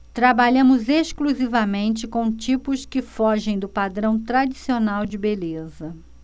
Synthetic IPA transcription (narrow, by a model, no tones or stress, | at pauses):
t̪ɾabaʎɐ̃mʊzeʃkluzivɐmẽnt͡ʃɪkõw̃t͡ʃipʊskɪfɔʒẽj̃d̪ʊpad̪ɾɐ̃w̃t̪ɾad͡ʒisionawd͡ʒɪbelezɐ